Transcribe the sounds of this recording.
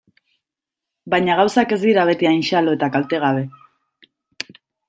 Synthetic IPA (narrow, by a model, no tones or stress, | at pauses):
baɲaɣawsake̞zd̪iɾaβ̞e̞t̪iajnʃalo̞e̞t̪akalt̪e̞ɣ̞aβe̞